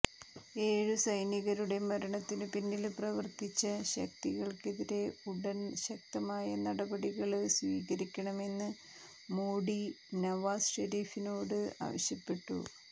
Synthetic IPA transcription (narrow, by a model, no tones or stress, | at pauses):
e̞ːɻusɐjniɣɐɾuɽe̞mɐɾɐɳɐt̪ːinɨpinːilprɐʋɐrt̪it͡ɕːɐɕɐ̰k̚t̪iɣɐɭkeðiɾe̞uɽɐnɕɐk̚t̪ɐmaːjɐnɐɽɐbɐɽiɣɐɭsʋiːɣɐɾikʲːɐɳɐme̞nːɨ | moːɽi | nɐʋaːsʂeɾiːfino̞ːɽɨa̰ːʋɐɕjɐpːe̞ʈːṵ